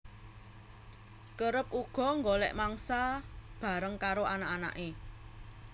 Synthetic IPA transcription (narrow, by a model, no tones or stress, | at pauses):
kəɾəp̚uɡ̥ɔ̤ŋɡolɛ̰ʔmaŋsab̥a̤ɾəŋkaɾoʔanaʔana̰ʔe